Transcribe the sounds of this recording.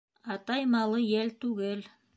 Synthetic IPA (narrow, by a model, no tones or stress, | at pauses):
ɑt̪ɑjmɑlˠɤjælt̪ʉɡɘl